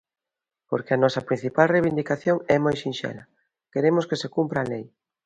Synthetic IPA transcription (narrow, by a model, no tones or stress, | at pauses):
po̰ɾkeɐnɔsɐpɾin̟θipalrejβind̪ikaθjoŋɛmojʃinʃɛ̰lɐ | keɾemʊskesekumpɾaːlej